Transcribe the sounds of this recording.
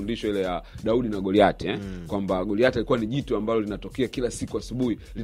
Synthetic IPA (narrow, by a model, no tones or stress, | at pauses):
undiʃɔilɛjaɗauɗinaɡɔliatɛkwambaɡɔliatialikuwaniʄitɔambalɔlinatɔkɛakilasikuasuɓuhi | li